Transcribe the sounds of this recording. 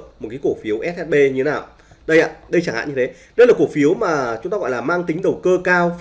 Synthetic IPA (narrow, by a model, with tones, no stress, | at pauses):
k̚m˨˩t̚kaː˨˦ku˧˩fi˨˦əwʔɛ˦˥t̚ʔɛ˦˥t̚ɓe˧ɲɨ˧t̪ʰnaː˨˩w | ɗə˧jʔaː˧˩ɗə˧t͡ɕaː˧˩ha̰ː˧˨ɲɨ˧t̪ʰe˨˦ | ɗə˧jlaː˨˩kk̚fi˨˦əwmaː˨˩t͡ɕʊ˨˦ŋ͡mt̪a˧ɔ̰˧˨jlaː˨˩maː˧ŋt̪ï˨˦ŋ̟ɗə˨˩wkəː˧kaː˧w